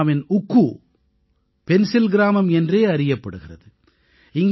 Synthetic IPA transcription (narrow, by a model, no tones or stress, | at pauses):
mɪnʊkːu | pɛnsɪlɡɪɾaːmɐmɛndreːɐɾɪjɐpːɐɽɯɣɪrɐ̰ðɯ | ɪŋɡ